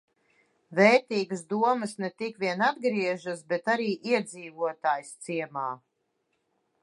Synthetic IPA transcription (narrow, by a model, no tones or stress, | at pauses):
vɛːɾt̪iːɡəsd̪uɔmɨsnɛt̪ikviɛnad̪ɡɾiɛʒas̬bɛt̪aɾiːʔiɛd̪ziːvuɔt̪aːjst̪siɛmaː